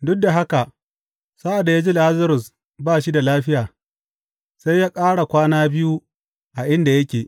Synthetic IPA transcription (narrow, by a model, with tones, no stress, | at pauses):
dʊ˦k̚da˨ɦa˦ka˨ | sa˦ʔa˨da˨jaː˦d͡ʒi˦la˦zɐ˦ɾʊ˨s | baː˦˨ʃi˦da˨laː˦ɸɪ˦jaː˨ | sa˦jjaː˦kʼaː˦ɽa˨kʷaː˦naː˦bɪ˦ju˦ | ʔa˨ʔɪ˦nda˨jɐ˦kʲeː˨